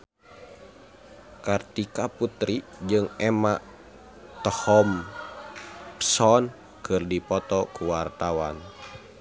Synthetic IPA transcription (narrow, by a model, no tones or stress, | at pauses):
kart̪ikaput̪ɾid͡ʒɨŋɛmaʔ | t̪əhɔm | psɔn | kɨrdipɔt̪ɔkuwart̪awa̰n